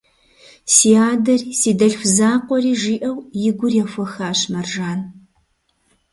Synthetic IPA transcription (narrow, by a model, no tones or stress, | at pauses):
siːaːdɐrsiːdɐɬxʷzaːqʷɔriːʒiːʔɐwjɪɡʷʊrjɛfʷɐxaːɕmɐrʒaːn